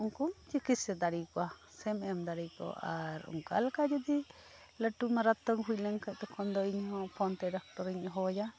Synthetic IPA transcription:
uŋkumt͡ʃikisɛd̪aɾikɔwa | sɛmɛmd̪aɾikɔ̰ʔaɾṵŋka̰lkad͡ʒud̪i | ləʈumaɾat̪ɔŋɦujləŋkəʔt̪ɛkʰɔnd̪ɔiɲɦɔ̃pʰɔnt̪ɛɾak̚t̪ɔɾiɲɔɦɔja

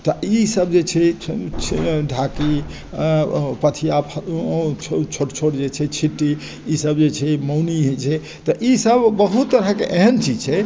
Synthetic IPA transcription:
t̪ɔisəbd͡ʒet͡ʃʰɛt͡ʃʰɖʱaki | pət̪ʰijapʰt͡ʃʰt͡ʃʰoʈt͡ʃʰoʈd͡ʒet͡ʃʰɛt͡ʃʰiʈːi | isəbd͡ʒet͡ʃʰɛməwniɦot͡ʃʰɛ | t̪ɔʔisəbːəɦut̪ːəɾəkeʔeɦənt͡ʃid͡ʒt͡ʃʰɛ

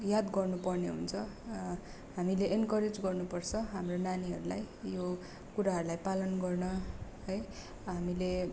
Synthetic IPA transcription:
jad̪ɡʌrnupʌrneɦṵnt͡sʰʌ | ɦamileʔenkʌɾed͡zɡʌrnupʌrt͡sʰʌɦamronaniɦʌɾulaj | jo | kuɾaɦʌɾulajpalʌnɡʌrnʌɦʌj | ɦamile

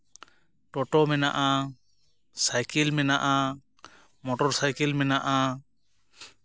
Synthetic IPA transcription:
ʈɔʈɔmɛnaʔa | sajkɛlmɛnaʔa | mɔʈɔɾsajkɛlmɛnaʔa

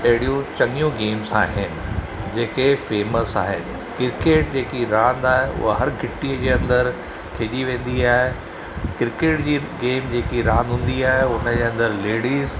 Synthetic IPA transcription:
ɐɦɪɽijõt͡ɕɐŋijũɡeːmsaːɦɪnɪ̆ | d͡ʑeːkefeːməsa̰ːɦɪ̰nɪ̆kɪɾkeːʈ̚d͡ʑeːkiɾãːnd̪aːɦeʔʊ̰ɦaɦɐɾɡʱɪʈːiːəd͡ʑeːɐ̃nd̪əɾ | kʰeːʄiʋẽːn̆d̪iaːɦe | kɪɾkeːʈd͡ʑiːɡeːmd͡ʑeːkiɾãːnd̪ɦũːn̆d̪iaːɦeʊnəd͡ʑeːɐ̃nd̪əɾleːɽiːz

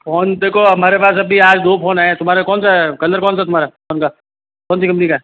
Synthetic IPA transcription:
fʰɔːnd̪eːkʰoɦɐmaːɾepaːsɐbʱiaːd͡ʒd̪oːfʰoːnaːẽt̪ʊmaːɾekɔːnsakɐləɾkɔːns̬at̪ʊm̤aːɾafʰɔːnka | kɔːnsikɐmpnikaɛ

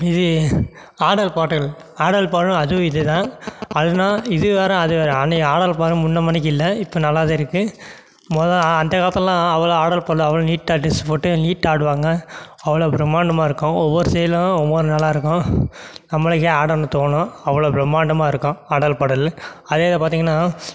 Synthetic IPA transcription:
ɪðɯ | aːɽɐlpaːʈɐl | aːɽɐlpaːɽɯ̃ɐðɯɪðɯt̪ãːɐðɯnaːɪðɯʋeːɾɐ̃ɐðɯʋeːɾɛ̃nɐaːɽɐlpaːɽɯ̃mʊnːɐmɐnɪk̬ːɪɪlːɐɪpːoːnɐlːaːðɐːɪɾɯkːɯ | mɔːðɐɐnd̪ɐkaːɐt̪ːɐlãːɐʋɐɭoaːɽɐlpaːʈɐɭɐʋɐɭoniːʈːaːʈːɪspoːʈːɯniːʈːaːɽɯʋaːŋɡɐ | ɐʋɐɭoːpɾɛmaːɳɖɐmaːɪɾɯkːʊ̃ɔʋːɔɾɯsɛjɐlɐ̃ɔʋːɔɾɯnɐlːaːɪɾɯkːõnɐmːɐɭɯkːeaːɽɐlnɯ̃t̪oːnõɐʋɐɭoːpɾɛmaːɳɖɐmaːɪɾɯkːõaːɽɐlpaːʈɐlɐðeːɐðɐpaːɾt̪̬iːŋɡɐnːaː

